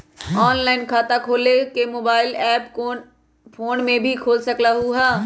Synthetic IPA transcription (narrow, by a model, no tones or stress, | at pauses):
ɔːnlaːɪnkʰaːt̪akʰoːlekemoːbaːɪlɛːpo | pʰoːnmẽbʱikʰoːlsɐklaɦuɦaː